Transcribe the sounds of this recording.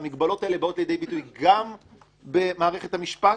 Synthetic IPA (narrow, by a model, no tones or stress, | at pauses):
miɡbalo̞taelebao̞tlejed̪e̞jbitujɡam | bemaːʁe̞χe̞thamiʃpa